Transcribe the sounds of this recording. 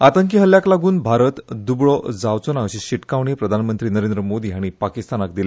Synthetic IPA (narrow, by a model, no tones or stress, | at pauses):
at̪əŋk̬iɦəljaklaɡuːnbʱaɾət̪d̪ubɭɔd͡zaʋt͡sonaəɕiɕiʈkaʋɳepɾəd̪ʱanmənt̪ɾiːnəɾẽnd̪ɾəmod̪iːaɽ̃ipakist̪anakd̪ile